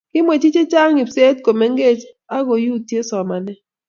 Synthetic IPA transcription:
kɪ˦mwe˨t͡ʃi˦t͡ʃe˦t͡ʃa˦ŋi˨pse˦t̚ko˨me˦ŋɡe˦˨t͡ʃ | a˦ɡo˨ju˦˨tje˦sɔ˨ma˨nɛ˦

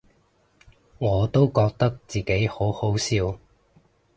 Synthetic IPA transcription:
ŋɔː˨˧t̪o˥wkɔː˧k̚t̪ɐ˥k̚t͡siː˨ke˨˥jho˨˥who˨˥wsiː˧w

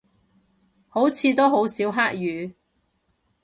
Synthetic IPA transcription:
ho˨˥wt͡sʰiː˨˧t̪o˥wɦo˨˥wsiː˨˥wɦaː˥k̚jyː˨˧

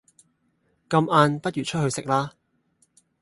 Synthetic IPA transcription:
kɐ˧mʔaː˧npɐ˥t̚jyː˨˩t͡ʃʰɵ˥t̚ɦɵ˧ɥsɪ˨k̚laː˥

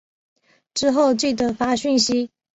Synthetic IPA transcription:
ʈ͡ʂɻ̩˥xo˥˧ʊt͡ɕi˥˩t̪ə˨˩fa˥ɕy˥˩nɕi˥

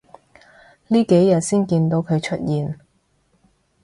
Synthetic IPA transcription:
liː˥ke˨˥jjːɐ˨t̚siː˥nkiː˧nt̪o˧wkʰɵ˨˧ɥt͡ʃʰɵ˥t̚jiː˨n

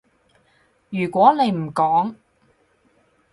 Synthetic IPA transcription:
jyː˨˩kʷɔː˨˥ne˨˧jm̩˨˩kɔː˨˥ŋ

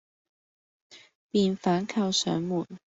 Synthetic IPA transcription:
pi˨˩nfa˧˥nkʰa˥˩ʊsə̰˧˥nmu˨˩n

